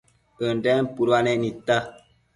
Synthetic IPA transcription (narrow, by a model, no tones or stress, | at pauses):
əndɛmpuɾwanɛnita